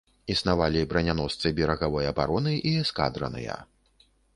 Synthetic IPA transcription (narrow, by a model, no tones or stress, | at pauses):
isnavalʲibɾɐnʲanɔst̪sɨbʲɛɾɐɣavɔjɐba̰ɾɔnɨʔiska̰d̪ɾɐ̰nɨ̰jɐ̰